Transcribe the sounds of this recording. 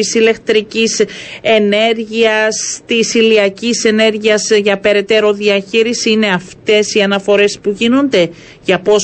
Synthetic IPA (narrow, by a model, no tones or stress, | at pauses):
isile̞kt̪ɾicise̞ne̞ɾʝiɐst̪isiliɐcise̞ne̞ɾʝiɐsʝɐpe̞ɾe̞t̪e̞ɾo̞ðiɐçiɾisiine̞ɐft̪e̞siɐnɐfo̞ɾe̞spuʝino̞nd̪e̞ | ʝɐpo̞s